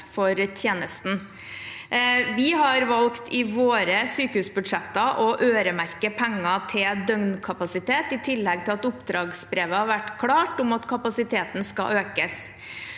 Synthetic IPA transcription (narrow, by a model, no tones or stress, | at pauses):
fɔɾt̪ʰjeːnəst̪n̩ | ʋɪɦɑɾʋɑlkt̪ʰɪʋoːɾəsyːkəhʉːsbʉd̪ʂɛt̪ːɑʔɔʔøːɾəmæɾkəpʰɛŋːɑt̪ʰɪld̪œŋnkʰɑpɑsɪt̪ʰeːt̪ɪt̪ʰɪlːɛɡ̚t̪ʰɪlɑt̪ʊpd̪ɾɑːɡsbɾeːʋəhɑɾʋæʈːkʰlɑːʈʊmɑt̪kʰɑpɑsɪt̪ʰeːt̪nskɑ̰ʔøːkəs